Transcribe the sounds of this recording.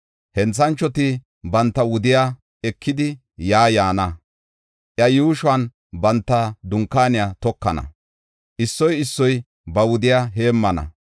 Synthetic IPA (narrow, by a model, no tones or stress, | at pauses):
hɛnt͡sːɐnt͡ʃːɔt̪ɪ | bɐnt̪ːɐwʊd̪ɪja | ɛkʰːɪd̪ɪ | jaːjaːnɐ | ʔjɐjuːʃwaːn | bɐnt̪ːɐd̪ʊŋkːaːnɪjat̪ɔkːɐnɐ̰ | ʔɪsːɔjɪsːɔj | bɐwʊd̪ɪjaɦe̞ːmːɐnɐ̰